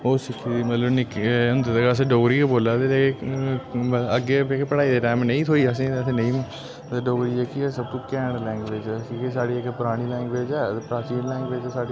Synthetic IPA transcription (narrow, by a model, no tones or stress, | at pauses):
oːsɪkʰːiːd̪iːmət̪ləbnɪkːʊnd̪eːt̪eɡas̬ẽːɖoːɡɾiːkeboːlaːt̪eeke | əɡeːekepəɽaːiːd̪eːʈɛːmnə̃ĩːt̪ʰoːiːəs̬ĩːət̪ʰẽːnẽĩːm | t̪eːɖoːɡɾiːɛkiɛsəb̚t̪õːkɛːɳlɛ̃ːŋɡʋeːd͡ʒɛsiːkesaːɽiːekpɾaːɽ̃iːlɛ̃ːŋɡʋeːd͡ʒɛːepɾaːt͡ʃiːnlɛ̃ːŋɡʋeːd͡ʒt̪esaːɽi